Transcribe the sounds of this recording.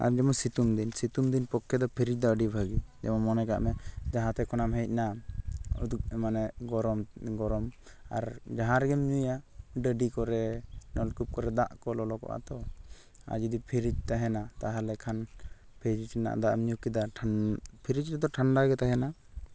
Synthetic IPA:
a̰ɾd͡ʒɛmɔsit̪umd̪insit̪umd̪inpɔkʰːɛd̪ɔpʰiɾit͡ʃ̚d̪ɔəɖibʱaɡid͡ʒɛ̰mɔmɔnɛka̰ʔmɛd͡ʒaɦãt̪ɛkɔnamɦɛc̚na | ṵd̪uk̚ɛmanɛɡɔɾɔmɡɔɾɔm | a̰ɾd͡ʒaɦãɾɛɡɛmɲujaɖəɖikɔɾɛnɔlkup̚kɔɾɛd̪aʔkɔlɔlɔkɔ̰ʔa̰t̪ɔ | a̰d͡ʒid̪ipʰiɾit͡ʃ̚t̪aɦɛnat̪aɦalɛkʰan | pʰiɾit͡ʃna̰ʔd̪aʔmɲukid̪aʈʰpʰiɾit͡ʃɾɛd̪ɔʈʰaɳɖaɡɛt̪aɦɛna

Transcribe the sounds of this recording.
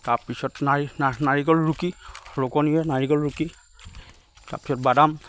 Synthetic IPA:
tapisɔtnaanaɹikɔlɹukiɹokɔniɛnaɹikɔlɹuki | ta̰pi̥sɔt̚badam

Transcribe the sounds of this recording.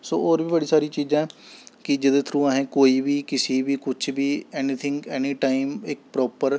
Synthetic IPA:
so̰ːoːɾbiːbəɽiːsaːɾiːt͡ʃiːd͡ʒãːkɪd͡ʒəd̪eːt̪ʰɾuːãːɦẽːkoːiːbiːkɪsiːbiːkʊt͡ʃʰbiːɛːniːt̪ʰɪ̃ŋɡɛːniːʈaːɪmɪk̚pɾɔːpəɾ

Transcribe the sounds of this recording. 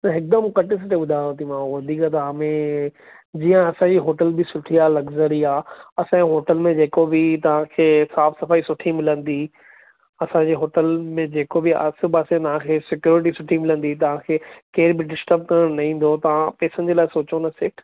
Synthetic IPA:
nɐɦɪk̚d̪əmkɐʈɪs̬ɪʈeɓʊd̪ʱaːjot̪ʰimãːʋɐd̪ʱiːkat̪̬ɐaːmẽ | d͡ʑiːə̃ɐsãɲd͡ʑiɦoːʈəlbɪsʊʈʰiaːlɐɡzəɾiaːɐsãɦoːʈəlmẽd͡ʑeːkobɪt̪ɐʋ̤ãkʰeːsaːfʰsɐfaːisʊʈʰimɪlə̃nd̪i | ɐsãːɲd͡ʑeːɦoːʈəlmẽd͡ʑeːkobɪa̰sɪbaːsẽt̪ɐʋ̤ãkʰeːsɪkjuːɾɪʈ̬isʊʈʰimɪlə̃nd̪it̪ɐʋ̤ãkʰeːkeːɾbɪɖɪsʈəɾb̚kɐɾəɽ̃nɐɦĩːn̆d̪ot̪ɐʋ̤ãpeːsənd͡ʑeːlaːɪsoːt͡ɕonɐsɪʈʰ

